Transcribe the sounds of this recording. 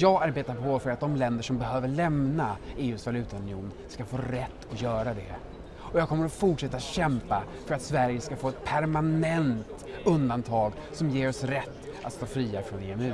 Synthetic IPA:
jɑːɡaɾbeːt̪aɾpʰɔfœɾat̪̚d̪ɔmlɛnd̪əʂɔmbɛhøːvəɭɛmnaeːʉ̟ːsvalʉ̟ːt̪aɵnɪuːnskafoːɾɛt̪ːɔjœːɾad̪ɛ | ɔjɑːkʰɔmːəɾɔfʊʈʂɛt̪ːaɕɛmpa | fœɾat̪svæɾjəskafoːɛt̪̚pʰæɾmanɛnt̪ | ɵnd̪ant̪ʰɑːɡ | sɔmjeːɾɔsɾɛt̪ːʔa̰t̪st̪oːfɾiːafɾɔnḛɛmʉ̟ː

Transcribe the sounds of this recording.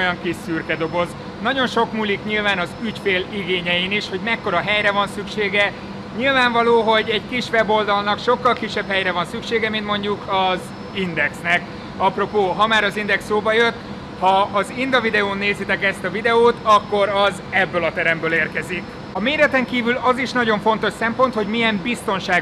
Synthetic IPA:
jɒŋkisyrkɛd̪o̞ɡo̞z | nɒɟo̞nʃo̞kmuːlikɲilvaːnɒzycfeːliɡeːɲɛjiniʃho̞ɟmɛkːo̞ɾɒɦɛjrɛvɒnsykʃeːɡɛ | ɲilvaːɱvɒloːɦo̞ɟɛɟkiʃʋɛbo̞ld̪ɒlnɒkʃo̞kːɒlkiʃːɛphɛjɾɛvɒnsykʃeːɡɛmint̪mo̞ɲɟukʰɒz | ind̪ɛksnɛk | ɒpro̞poːɦɒmaːɾɒzind̪ɛksːoːbɒjø̞t̪ | hɒːzind̪ɒvid̪ɛoːnːeːzit̪ɛkɛst̪ɒvid̪ɛoːt̪ɒkːo̞ɾɒz | ɛbːøːlɒt̪ɛɾɛmbøːleːrkɛzi | ɒmeːɾɛt̪ɛŋkiːvylɒziʃnɒɟo̞ɱfo̞nt̪o̞ʃsɛmpo̞nt̪ho̞ɟmijɛmbist̪o̞nʃaː

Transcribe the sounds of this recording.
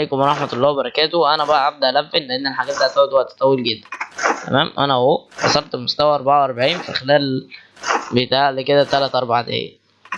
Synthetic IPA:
alejːkomɾˤɑħmæɑlˤːæːbɑɾˤɑkæːt̪owʔænæbæʔæʕab̚d̪æʔælæfːenleʔenːelħaɡæːt̪̚d̪æʔt̪ːˤæwæt̪howæt̪ːæ̥t̪ˤæwilɡed̪ːænt̪æ̰mæːmʔæ̰næobɑ̰sˤɑlt̪most̪æwæʔɑɾˤbaʕawʔɑɾˤbaʕiːnfixelæːl | bet̪aːʕleked̪æt̪ːælæt̪ʔɑɾˤbaʕt̪ḛhḛjæ

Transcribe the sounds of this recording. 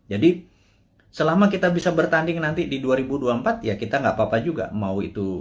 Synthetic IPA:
d͡ʒadi | səlamakit̪abisabərt̪andɪŋnant̪ididuaɾibuduaəmpat̪̚jakit̪aŋɡaʔpapad͡ʒuɡa̰mauit̪u

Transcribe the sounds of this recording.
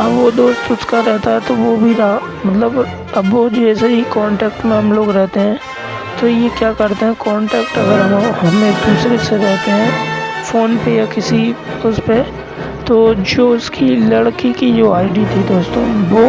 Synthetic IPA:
ɐbʋod̪oːst̪ʊskaɾɛɦt̪aɦɛt̪oʋobʱiɾaɦa | mɐt̪ləb | ɐbʋod͡ʒɛːseikɔːɳʈɛːkʈmẽɦɐmloːɡɾɛɦt̪eɦɛ̃ː | t̪ojekjaːkɐɾt̪eɦɛ̃kɔːɳʈɛːkʈɐɡəɾʋoɦɐmẽːkd̪uːsɾeseɾɛɦt̪eɦɛ̃ːfoːnpejakɪsi | ʊspe | t̪oːd͡ʒoːʊskʰilɐɽkikid͡ʒoːaːɪɖit̪ʰid̪oːst̪õːʋoː

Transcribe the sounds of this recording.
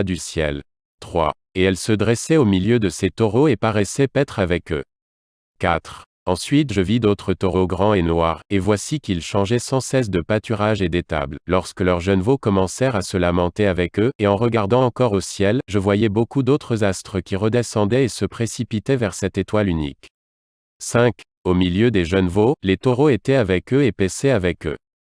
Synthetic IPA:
d̪ysjɛ̰l | t̪χwa̰ | eɛlsəd̪ʁɛsɛomiljød̪əset̪ɔʁoepaʁɛsɛpɛt̪χavɛkø | kat̪χ | ɑ̃sɥit̪ʒəvid̪ot̪χət̪ɔʁoɡʁɑ̃enwaʁevwasikʲilʃɑ̃ʒɛsɑ̃sɛs̬d̪əpat̪yʁaʒed̪et̪a̰bllɔʁskəlœʁʒənvokɔmɑ̃sɛʁasəlamɑ̃t̪eavɛkøeɑ̃ʁəɡaʁd̪ɑ̃ɑ̃kɔʁosjɛlʒəvwajɛbokud̪ot̪χəzast̪χəkʲiʁəd̪esɑ̃d̪ɛesəpχesipit̪ɛvɛʁsɛt̪et̪walynḭk | sɛ̃k | omiljød̪eʒœnvolet̪oʁoet̪ɛavɛkøepɛsɛavɛkø̰

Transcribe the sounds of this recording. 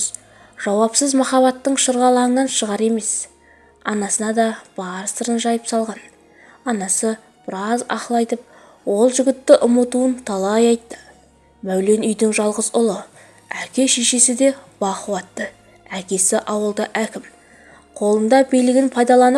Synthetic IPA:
ʒ̥ɑwɑpsəzmɑχɑβɑt̪ːəɴʃəɾʁɑlˠɑənɑnʃəʁɑɾe̞me̞s | ɑnɑsənɑd̪ɑb̥ɑɾst̪əɾənʒɑjəpsɑlˠʁɑn | ɑnɑsə | b̥ɪɾɑzɑ̰qlˠɑjt̪əp̚ | wo̞lˠʒʏɡʲɪt̪ːɪʔʊmət̪uənt̪ʰɑlˠɑjɑjt̪ːə̥ | mæwle̞nʏjd̪ɪŋʒɑlˠʁəzʊlˠə | ækʲe̞ʃe̞ʃe̞sɪd̪e̞b̥ɑχəwɑt̪ːə | ækʲe̞sɪʔɑwəlˠd̪əʔækʲɪm | qʰo̞lˠənd̪ɑbijlɪɡʲɪnpʰɑjd̪ɑlˠɑnəp

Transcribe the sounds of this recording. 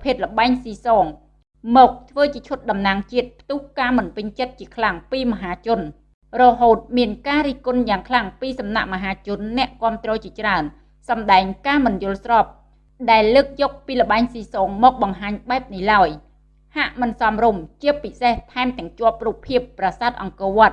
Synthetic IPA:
pʰeːt̪̚lə̆ɓaɛɲsiːsɔːŋ | mɔːk̚t̪ʰʋəːt͡ɕiət͡ɕʰʊ̆t̪̚ɗɑmnaːŋt͡ɕiət̪̚pʰt̪uːhkaːmɨnpɨɲt͡ɕət̪̚t͡ɕiəkʰlaŋpiːməɦaːt͡ɕʊ̆ən | rɔɦoːt̪̚miənkaːɾiːhkʊnjaːŋkʰlaŋpiːsɑmna̰ʔmə̆ɦaːt͡ɕʊ̆ənːɛ̆əʔkŏəmt̪rɔːt͡ɕiət͡ɕraən | sɑmɗaɛŋkaːmɨnjʊ̆əlsrɑːp̚ | ɗaɛlːəːk̚jɔːk̚piːlə̆ɓaɛŋsiːsoːŋmɔːk̚ɓɑŋɦaːɲɓaɛp̚nihlaəj | haʔmɨnsɑmrumt͡ɕiəpːiseht̪ʰaɛmt̪ɛ̆əŋt͡ɕŏəp̚ruːpʰːiəpːrasaːt̪̚ʔɑŋkɔːʋŏət̪̚

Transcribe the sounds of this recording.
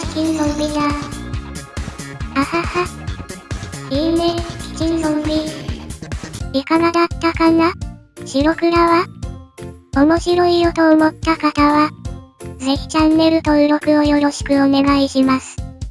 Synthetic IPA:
kʲĩnsõmbʲina | ahaha | iːmekʲi̥t͡ɕĩñsõmɾʲi | ikaɡad̪at̪ːakana | ɕiɾo̞kɯ̟ɾaβa | o̞mo̞ɕiɾo̞ijo̞t̪o̞ːmo̞t̪ːakat̪aβa | d͡ze̞çi̥t͡ɕãnːe̞ɾɯ̟t̪o̞ɯɾo̞kɯ̟o̞jo̞ɾo̞ɕi̥kɯ̟o̞ne̞ɡaiɕimasɨ̥

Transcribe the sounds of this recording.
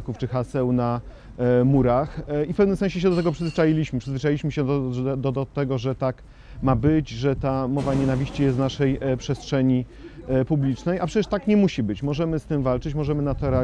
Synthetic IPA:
kuft͡ʂɘxasɛwna | muɾaxifpɛvnɘmsɛ̃nɕ̬ɛɕ̬ɛd̪ɔt̪ɛɡɔpʂɘzvɘt͡ʂajilʲiɕmɘpʂɘzvɘt͡ʂajilʲiɕmɘɕɛd̪ɔɔt̪ɛɡɔʐɛt̪ak | mabɘd͡ʑʐɛt̪amɔvaɲɛnavʲiɕt͡ɕijɛst̪naʂɛjpʂɛstʂɛɲipublʲit͡ʂnɛjʔapʂɛt͡ɕɛʂt̪akɲɛmuɕibɘt͡ɕmɔʐɛmɘst̪ɘmvalt͡ʂɘt͡ɕmɔʐɛmɘnat̪ɔɾɛ

